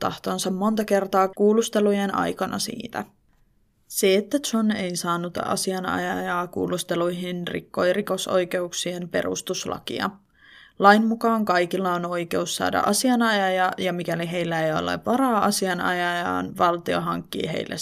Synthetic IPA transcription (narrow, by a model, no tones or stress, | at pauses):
t̪ɑ̰ht̪o̞nsɑmmo̞nt̪ɑke̞rt̪ɑːkuːlust̪e̞lujenɑ̰jkɑnɑ̰sḭːt̪æ | seːt̪ːæone̞jsɑːnut̪ɑ̰siɑnɑ̰jɑjɑːkṵːlust̪e̞lujɦinrḭkːo̞jriko̞so̞̰jk̟e̞uksiempe̞̰ɾṵst̪uslɑ̰kḭɑ̰ | lɑjmmːukɑːŋkɑjkilːɑono̞jke̞usːɑ̰ːdɑ̰ʔɑsiɑnɑjɑjɑjɑmik̟æliɦe̞jlːæejo̰lːḛʋʋɑɾɑːʔɑsiɑnɑ̰jɑjɑ̰ːnʋɑlt̪ioɦɑŋkːḭːɦe̞̰jlːʔḛ